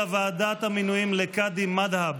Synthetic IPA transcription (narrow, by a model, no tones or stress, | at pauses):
avaːd̪at̪aminujimlekad̪imad̪hab